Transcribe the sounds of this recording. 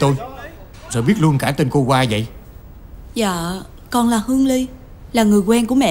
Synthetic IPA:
t̪o˧j | zo̰˨˩jɓi˦˥ət̚lu˧ənkaː˧˩t̪e˧nko˧kwaː˧və̰˧˨j | zaː˧˨ | kɔ˨˧nlaː˨˩hɨ˧əŋli˧ | laː˨˩ŋɨ˨˩əjkwɛ˧nku˧˩əmɛ̰˧˨

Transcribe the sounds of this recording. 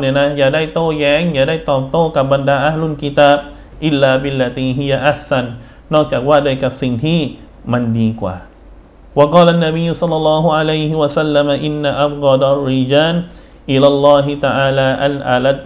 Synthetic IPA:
ni˧˩˨na˦ja˨da˥˩jt̪oː˥˨jɛ˧˦ŋja˨da˥˩jt̪ɔː˨˩t̪o˥˨ka˨˩p̚ba˧ndaː˧ʔa˦hlu˧˨nki˧t̪aː˧p̚ | ʔɪlːaː˧bilːat̪iː˧ɦi˦jaʔaħsa˧nː | ɔ˥˨k̚t͡ʃaː˨˩k̚waː˥˩da˧˨jka˨˩p̚si˨˩ŋt̪ʰi˥˨ | ma˧ndiː˧kwa̰ː˨˩ | wa˧qɑː˧˨la˨nːa˧bi˧jːusɑ˦lːɑlːɑːɦuʕa˧lajɦiwasalːamaʔɪnːaʔa˦bɣɑd̪arːid͡ʒaː˧n | ʔila˧lːɑː˧ɦit̪aʔaː˧laː˧ʔalʔa̰lat̪̚

